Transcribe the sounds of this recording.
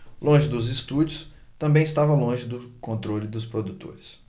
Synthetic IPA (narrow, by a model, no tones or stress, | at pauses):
lõʒɪd̪ʊzɪst̪ud͡ʒʊs | t̪ɐ̃mbẽj̃ɪst̪avɐlõʒɪd̪ʊkõnt̪ɾolɪd̪ʊspɾod̪ut̪o̰ɾɪs